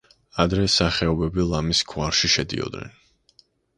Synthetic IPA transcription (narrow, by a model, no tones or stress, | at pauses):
ad̪ɾɛsaχɛɔbɛbilˠamiskʰuwaɾʃiʃɛd̪ḭɔ̰d̪nɛ̰n